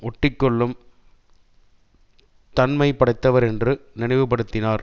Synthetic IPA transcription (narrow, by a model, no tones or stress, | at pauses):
ɔʈːɪkːɔɭːɯm | t̪ɐnmɐɪpɐɽɐɪt̪ːɐʋɐɾɛndrɯnɪnɐɪʋɯpːɐɽɯt̪ːɪnaːɾ